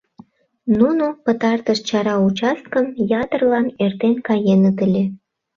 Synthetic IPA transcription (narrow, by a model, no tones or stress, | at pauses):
nunupət̪ɑrt̪əʃt͡ɕɑɾɑut͡ɕɑst̪̚kəmjɑt̪ərlɑnert̪enkɑjenət̪əlʲe